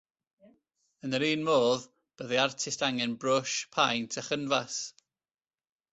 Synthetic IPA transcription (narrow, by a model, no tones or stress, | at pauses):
ənəɾiːnmoːð | b̥əðiartʰɪstaŋɛnbrʊʃpʰajntʰəχənvas